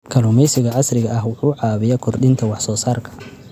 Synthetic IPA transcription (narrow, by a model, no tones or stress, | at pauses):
kʰɐluːmɛjsɪɣɐʕɑsrɪɣɐʔɐɦwʊħuːʕɑːβɪjɐkʰɔrd̪ɪnt̪ʰɐwɑħsɔːsaːrkʰɐ̥